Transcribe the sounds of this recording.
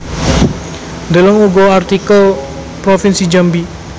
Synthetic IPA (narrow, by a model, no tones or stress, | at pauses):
nd̪ələŋuɡɔart̪ikəl | pɾofinsid͡ʒambi